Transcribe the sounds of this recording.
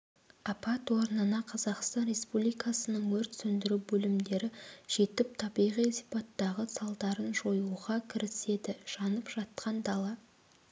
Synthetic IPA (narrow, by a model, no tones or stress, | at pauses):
ɑpɑt̪woɾnənɑqʰɑzɑqst̪ɑnrʲe̞spublijkɑsənəɴwɵɾt̪sɵnd̪ɪɾubɵlɪmd̪e̞ɾɪʒ̥e̞t̪ɪp̚t̪ʰɑbijʁijsijpɑt̪ːɑʁəsɑlˠd̪ɑɾənʒo̞juʁɑkʲʰɪɾɪse̞d̪ɪʒ̥ɑnəpʒ̥ɑt̪̚qʰɑnd̪ɑlˠɑ